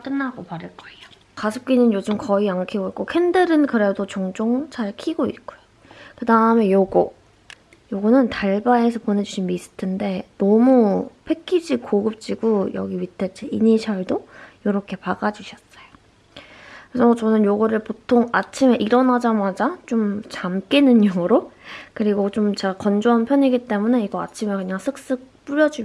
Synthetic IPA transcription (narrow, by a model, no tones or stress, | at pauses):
k͈ɯnːaɡopaɾɯɭk͈ʌejo̥ | kasʰɯp̚k͈inɯnjod͡ʑɯmkʌiaŋkʰiboik͈okʰendɯɾɯnkɯɾe̞dot͡ɕoŋd͡ʑoŋt͡ɕʰaɭkʰiɡoit̚k͈ojo | kɯdaɯme̞joɡo | joɡʌnɯntaɭbaesʰʌpone̞d͡ʑuɕʰinmis͈ʰɯ̥tʰɯnde̞nʌmupʰe̞kʰid͡ʑikoɡɯp̚t͡ɕ͈iɡujʌ̰ɡiwitʰet͡ɕ͈eiɲiɕʰʌɭdojoɾʌkʰe̞paɡad͡ʑuɕʰʌs͈ʌjo | kesʰʌt͡ɕʌnɯnjoɡʌɾɯɭpotʰoŋat͡ɕʰimeʔiɾʌnad͡ʑamad͡ʑat͡ɕomt͡ɕamk͈inɯnjoŋɯɾokɯɾiɡot͡ɕomt͡ɕekʌnd͡ʑoɦanpʰjʌɲiɡit͈e̞mune̞iɡʌa̰t͡ɕʰimeɭkɯɲaŋsʰɯk̚s͈ɯk̚p͈uɾjʌd͡ʑu